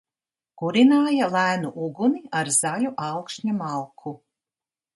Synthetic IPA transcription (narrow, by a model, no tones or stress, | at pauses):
ɡ̥uɾinaːjalˠæːnuʔuɡuniaɾz̥alʲuʔawkʃɲamalˠkʰu